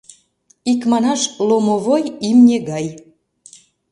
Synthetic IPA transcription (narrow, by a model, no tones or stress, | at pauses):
ikmɑnɑʃlˠomovojimnʲeɣɑj